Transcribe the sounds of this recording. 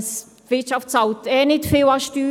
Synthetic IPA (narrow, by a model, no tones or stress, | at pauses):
s | ʋɪtʃɑftsɑwt̪ɛːnɪtfɪwɑʃtyː